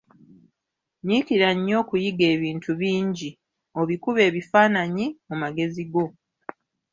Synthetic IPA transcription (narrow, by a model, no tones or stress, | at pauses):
ɲikiɾaɲːo̞ːkujiɡe̞ːβiːntʰuβiːɲɟi | o̞βikuβe̞ːβifaːnaɲimumaɡe̞ziɡo̞